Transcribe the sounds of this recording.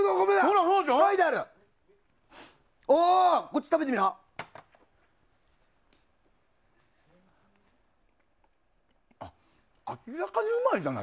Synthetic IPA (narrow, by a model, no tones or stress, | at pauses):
ɡ̪oɡomesoːnãsoːd̪aɕoaid̪aɾɯ | okot͡ɕːi̥t̪abe̞t̪emiɾa | a̰ | akʲiɾakaɲɯmad͡ʑana̰